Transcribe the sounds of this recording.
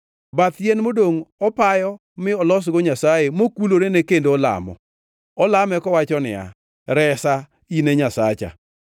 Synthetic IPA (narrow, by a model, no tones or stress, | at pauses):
bat̪jenmodoŋɔpajɔ | mɪɔlɔs̬ɡoɲasajemokuloɾenekendoːla̰mɔ̰ | ɔlamɛkɔwat͡ʃɔnɪ̰a̰ | ɾɛsa | ineɲasat͡ʃa̰